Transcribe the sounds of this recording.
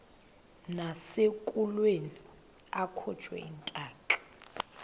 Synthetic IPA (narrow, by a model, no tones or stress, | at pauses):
nasekʼulweni | akʰɔ̥t͡ʃʰʼwɛ̰intʼaːkʼḁ